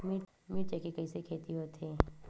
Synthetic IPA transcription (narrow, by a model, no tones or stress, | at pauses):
mi | miːʈ̚t͡ʃekekɐisekʰeːt̪iɦoːt̪eː